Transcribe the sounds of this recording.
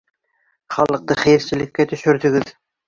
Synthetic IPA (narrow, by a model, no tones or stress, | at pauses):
χɑlˠɤ̆q̚t̪ɤχæjɘ̆ɾsɘ̆lɘ̆kːæt̪ɵ̆ʃɵ̆ɾd̪ɵ̆ɡɘð